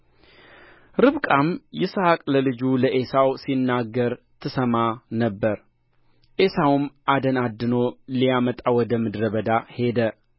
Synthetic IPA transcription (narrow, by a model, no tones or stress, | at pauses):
ɾɨβkʼamjɛshakʼləlɨd͡ʒuləʔesawsinːaɡːəɾ | t̪ʰɨsəmanəbːəɾ | ʔe̞sawumʔad̪ənad̪ːɨnolijamət̪ʼawɔd̪əmɨd̪ɾəβəd̪ahe̞d̪ə